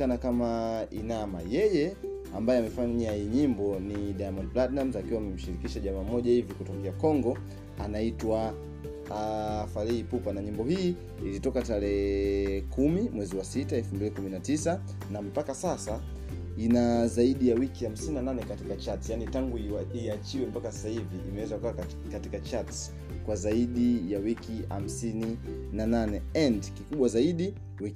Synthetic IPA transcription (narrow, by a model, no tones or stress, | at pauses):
anakamaḭnama̰jɛjɛ | ambajɛamɛfaɲajiɲimbɔniɗajamɔnplatnamzakiwamɛm̩ʃiɾikiʃaʄamaːmɔʄahivikutwaŋɡiakɔŋɡɔ | a̰naitwa | falɛipupanaɲimbɔhiː | ilitɔkataɾɛ | kumimwɛziwasitaɛfumbilikuminatisa | nam̩pakasasa | inazaiɗijawikiham̩sininananɛkatikat͡ʃatsjanitaŋɡuiat͡ʃiwɛm̩pakasasahiviʔimɛwɛzakuka | katikat͡ʃats | kwazaiɗijawikiha̰m̩sini | nananɛɛndkikuɓwazaiɗi | wi